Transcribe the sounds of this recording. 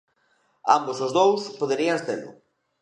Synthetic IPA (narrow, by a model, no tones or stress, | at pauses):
a̰mbosozðowspoðeɾiɐst̪elʊ̰